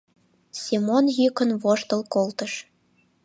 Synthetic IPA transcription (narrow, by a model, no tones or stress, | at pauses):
sʲimonjykə̆nβoʃt̪ɤ̆lkolt̪ə̆ʃ